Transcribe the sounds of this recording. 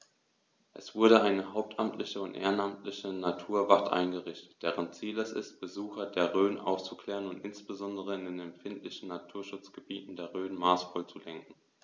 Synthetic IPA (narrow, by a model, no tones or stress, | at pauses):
ʔɛsv̥ʊɐɾəʔaɪnəɦaʊp̚tʰʔamtʰlɪçəʊntʔḛːʁənamtlɪçənatʰuːɐvatʔa̰ɪnɡəʁɪçtə̥t̚d̥eːʁənt͡siːlɛsɪ̰st̚b̥əzuːxɐdeːɐʁøːnʔa̰ʊft͡su̥kʰl̥ɛːʁənʊntɪnsb̥əzɔndəʁ̞əɪndeːnɛmfɪntlɪçn̩natʰuːɐʃʊt͡sɡ̥əbiːtn̩deːɐʁøːnmaːsfɔlt͡sulɛŋkŋ̩